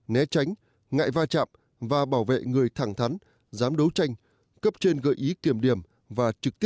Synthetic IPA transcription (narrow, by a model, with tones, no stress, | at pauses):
nɛ˨˦t͡ɕa˨˦jŋ̟ | ŋa̰ː˧˨jvaː˧t͡ɕa̰ː˧˨m | vaː˨˩ɓaː˧˩wvḛ˧˨ŋɨ˨˩əjt̪ʰaː˧˩ŋt̪ʰa˨˦n | zaː˨˦mɗə˨˦wt͡ɕa˧jŋ̟ | kə˦˥p̚t͡ɕe˧nɣə̰ː˧˨˩jʔi˨˦k̪i˧˩əmɗi˧˩əm | vaː˨˩t͡ɕɨ˨˩k̚t̪i˦˥